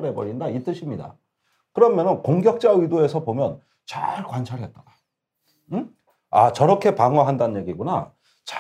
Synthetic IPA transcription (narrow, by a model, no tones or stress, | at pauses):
ɾe̞bʌɾindait͈ɯɕʰimɲida̰ | kɯɾʌmjʌnɯnkoŋɡjʌk̚t͡ɕ͈aidoe̞sʰʌpomjʌn | t͡ɕa̰ɭkwant͡ɕʰaɭɦe̞t̚t͈aɡa | at͡ɕʌɾʌkʰe̞paŋwaɦandaɯnɲje̞ɡiɡuna | t͡ɕa